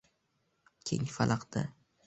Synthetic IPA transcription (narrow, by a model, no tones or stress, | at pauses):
kʲʰeŋfalˠʔaqd̪a